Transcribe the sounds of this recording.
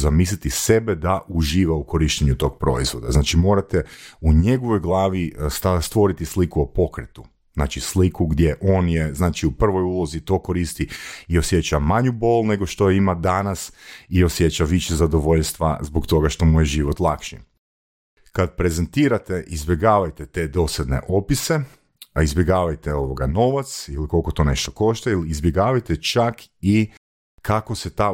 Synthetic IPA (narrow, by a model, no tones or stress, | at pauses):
zamiːslit̪ise̞bed̪aʔuʒiːʋauko̞ɾiʃt̪eɲut̪o̞ːɡ̚pɾo̞̰izʋo̞d̪a̰znaːt͡ʃimo̞ːɾat̪euɲe̞ɡo̞ʋo̞jɡlˠaːʋist̪ast̪ʋo̞ɾit̪islikuopo̞kɾet̪u̥ | zna̰ːt͡ʃislikuɡd̪ʲje̞ʔo̞ːnje̞znaːt͡ʃiupr̩ʋo̞julˠo̞zit̪o̞ːko̞ɾiːst̪iio̞sje̞t͡ɕamaɲubo̞ːlˠne̞ɡo̞ʃt̪o̞imad̪anasiosjet͡ɕaʋiʃezad̪o̞ʋo̞ʎst̪ʋa̰zbokt̪o̞ɡaʃt̪o̞mujeʒiʋot̪lˠakʃḭ | kad̪̚pɾe̞zent̪iːɾat̪eʔizbje̞ɡaːʋajt̪et̪e̞d̪o̞sed̪ne̞̰ʔo̞pise̞ | aizbʲjeɡaːʋajt̪eo̞ʋo̞ɡa̰no̞ʋat̪siliko̞lˠko̞t̪o̞ne̞ʃt̪o̞̥ko̞ʃt̪ailiːzbjeɡaːʋajt̪et͡ʃaki | kʰako̞set̪a